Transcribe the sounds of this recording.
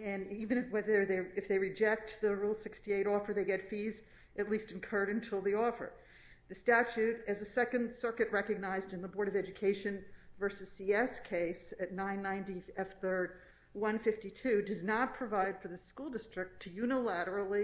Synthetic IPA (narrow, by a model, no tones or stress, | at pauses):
ɨ̃nivɨ̃ñɨfwɛðə˞ðeɪɨfðeɪɹɨd͡ʒɛk̚t̪̚ðɨɹulˠsɪkstieɪɾɔfə˞ðeɪɡɛtfiz | ʔɨtˡlistɨ̃n̩kʰɜ˞ɾɨ̃n̩tʰɪlˠðiɔfə̰˞ | ðɨstæt͡ʃʉɾɨzɨsɛkɨ̃nd̥sɜ˞kɨt̚ɹɛkɨɡ̚naɪzdɨ̃nðəbɔɹɾʌvɛd͡ʒɨkʰeɪʃɨ̃nvɜ˞sɨz̥siɛskʰeɪsɨtⁿnãɪ̃nːãɪ̃ntiɛfθɜ˞d̚ | wʌ̃nfɪftitʰʉdʌznət̚pʰɹ̥ɨvaɪd̥fə˞ðɨskulˠdɪstɹ̥ɨk̚tʰɨjʉnəlæɾə˞l̩ˠi